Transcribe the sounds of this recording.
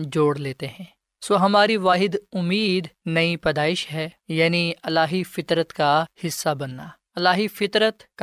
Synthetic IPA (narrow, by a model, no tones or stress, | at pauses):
d͡ʒoːɽleːt̪eɦɛ̃ː | soːɦɐmaːɾiʋaːɦɪd̪ʊmːiːd̪nɐipɐd̪aːɪʃɦɛjaːniɐlːaːɦifɪt̪ɾət̪kahɪsːabɐnːaː | ɐlːaːɦifɪt̪ɾət̪k